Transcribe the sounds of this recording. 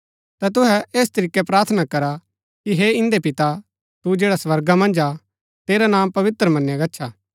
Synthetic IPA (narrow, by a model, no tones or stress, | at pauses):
t̪ɛt̪ʊɦɛeːst̪ɐɾiːkːɛpɾaːɾt̪ʰənakɐɾa | kiɦeːɪ̃nd̪epɪt̪a | t̪ud͡ʒeːɽasʋɐɾɡamɐ̃nd͡ʒa | t̪eːɾanãːmpɐʋɪt̪ɾəmɐ̃nːjaɡɐtːʃʰaː